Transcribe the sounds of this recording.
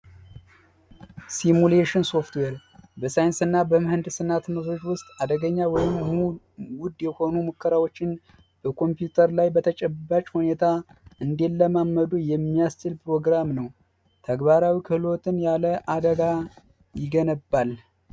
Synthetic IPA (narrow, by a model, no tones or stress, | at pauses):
simuleʃɪnso̞ft̪weɾbəsajɪnsɨnːabəmɨhɨnd̪sɨnːat̪məfo̞t͡ʃːwʊst̪ʼad̪əɡəɲːawɔjɪm | wʊd̪jɛho̞numokʰːəɾawo̞t͡ʃːɪn | b̥əkʰo̞mpjut̪ʰəɾlajbət̪ʰət͡ʃʼɛbːat͡ʃʼhune̞t̪ʰaɨnd̪e̞lːəmamːəd̪ujɛmːijast͡ʃɪlpɾo̞ɡɾamnəw | t̪ʰəɡβaɾawikʰɨhlo̞t̪ʰɨnjaləʔad̪əɡa | jɪɡənəbːal